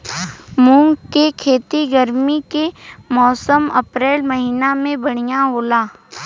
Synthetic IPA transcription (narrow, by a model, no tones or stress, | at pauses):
mũŋɡkekʰeːt̪iɡəɾmikemɔːsəmɐpɾeːlmɐɦiːnamẽbɐɽ̃ijaɦoːlaː